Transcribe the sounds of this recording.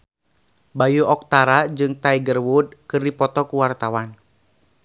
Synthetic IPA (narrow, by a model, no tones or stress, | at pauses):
bajuʔɔk̚t̪aɾad͡ʒɨŋt̪aiɡərwud̚kɨrdipɔt̪ɔkuwart̪awan